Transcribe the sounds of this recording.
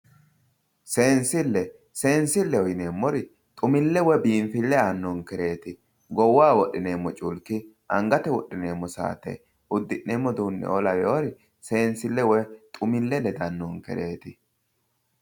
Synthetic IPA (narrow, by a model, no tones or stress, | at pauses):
seːnsɪlːɛ | se̞ːnsɪlːɛɔjneːmːɔɾɪ | t̪ʼʊmɪlːɛwɛbiːɱfɪlːɛanːɔːnkɛɾe̞ːt̪ɪ | ɡɔwːaːwɔɗːɪneːmːɔt͡ʃʼʊlkːɪ | ʔɐŋɡɐt̪ɛwɔɗːɪneːmːɔsa̰ːt̪ːɛ̰ | ʊd̪ːɪʔːeːmːɔd̪uːnːɛ̰ɔlɐjɛoɾɪ | se̞ːnsɪlːɛwɛt̪ʼʊmɪlːɛlɛd̪ɐnːɔːnkɛ̰ɾeːt̪ɪ